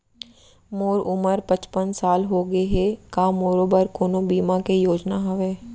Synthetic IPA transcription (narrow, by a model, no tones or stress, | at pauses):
moːɾʊməɾpət͡ʃpənsaːlɦoːɡeɦekaːmoːɾoːbəɾkoːnõbiːmãkejoːd͡ʒnaɦɐʋeː